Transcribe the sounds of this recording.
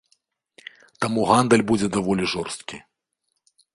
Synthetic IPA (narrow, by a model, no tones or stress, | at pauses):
t̪amuɣand̪əlʲbud͡zʲɛd̪avɔlʲiʐɔrst̪kʲi